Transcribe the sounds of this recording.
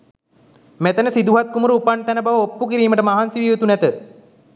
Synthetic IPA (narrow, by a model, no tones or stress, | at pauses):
met̪ənəsid̪uɦat̪̚kumuɾupaɳt̪ænəbaʋəopːukiɾiːməʈəmaɦansiʋiʋət̪unɛt̪ə